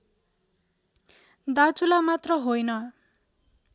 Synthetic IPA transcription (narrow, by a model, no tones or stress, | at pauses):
d̪at͡sulamat̪rʌɦojnʌ